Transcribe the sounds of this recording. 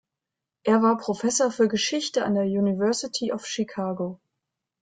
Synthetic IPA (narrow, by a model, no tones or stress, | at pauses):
ʔeːɐvaːɐpʁ̥ofɛsoɐfyːɐɡəʃɪçtəa̰ndeːɐjuːnivɛɐsitʰiʔɔfʃikʰaːɡo